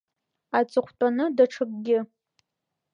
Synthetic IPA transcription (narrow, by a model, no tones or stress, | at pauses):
at͡sʼɨχʷʰtʷʼanɨdaʈ͡ʂʰɨkʼɡʲɪ